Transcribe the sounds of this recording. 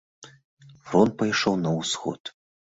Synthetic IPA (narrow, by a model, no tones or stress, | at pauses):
fɾɔnt̪̚pɐjʂɔwnɐusxɔ̰t̪